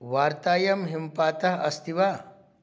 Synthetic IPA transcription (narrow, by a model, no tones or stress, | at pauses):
ʋaːɾt̪aːjɐmɦimpaːt̪ɐɦɐst̪ʰiʋaː